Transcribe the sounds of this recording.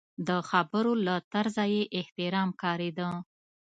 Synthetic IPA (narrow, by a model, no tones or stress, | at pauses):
d̪əxabəɾolat̪aɾzajeʔɪht̪ɪɾɑmkɑɾed̪ə